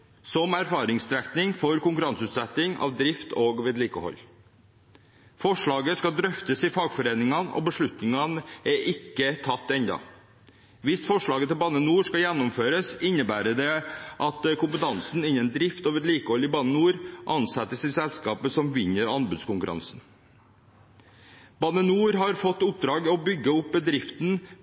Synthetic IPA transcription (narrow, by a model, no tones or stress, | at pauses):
sɔmæɾfɑːɾɪŋst̪ɾɛkt̪nɪŋfɔɾkʊŋkʉɾɑnsʉːt̪sɛt̪ːɪŋɑ̰ʋd̪ɾɪft̪oːɡʋɛd̪liːkəhɔ̰lː | fɔʂɭɑːɡəskɑd̪ɾœft̪əsɪfɑːɡfɔɾeːnɪŋɑnɔ̰bəʂɭʉt̪nɪŋɑnəɛʔɪkːət̪ʰɑt̪ːɛnd̪ɑ̰ | ʋɪsfɔʂɭɑːɡət̪ʰɪlbɑːnənuːʂkɑjɛnːɔmføːɾəsɪnːəbæːɾəɖ̪ɛʔɑt̪kʊmpət̪ʰɑnsn̩ɪnːənd̪ɾɪft̪oːʋəɾliːkɔlɪbɑnənuːɾʔɑnsɛt̪ːəsɪsɛlskɑːpəsɔmʋɪɲəɾɑnbʉːd̪skʊŋkʉɾɑ̰nsn̩ | b̥ɑnənuːɾɦɑɾfɔt̪ːʊp̚d̪ɾɑːɡɔbʏɡːəʊp̚bəd̪ɾɪft̪n̩